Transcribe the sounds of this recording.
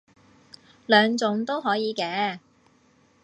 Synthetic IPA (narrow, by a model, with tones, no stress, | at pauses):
lœː˨˧ŋt͡sʊ˨˥ŋt̪o˥wɦɔː˨˥jiː˨˧kɛː˨˧